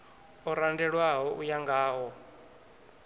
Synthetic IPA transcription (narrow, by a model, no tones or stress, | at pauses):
ɔɾandɛɺwaɦɔʔujaŋɡaːɦɔ